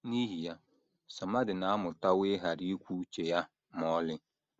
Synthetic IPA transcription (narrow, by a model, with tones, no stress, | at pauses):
ni˦ɦi˨ja˦ | sa˨ma˦dɪ˨naː˨˦mʊ˨ta˦weː˦ɦa˨ɾi˦kʷuː˦t͡ʃe˨ja˦ | mɔː˨˦lɪ˨˦